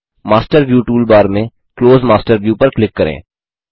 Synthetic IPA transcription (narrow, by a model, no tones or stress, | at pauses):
maːsʈəɾʋjuːʈuːlbaːɾmẽ | kloːzmaːsʈəɾʋjuːpɐɾklɪkːɐɾḛ̃ː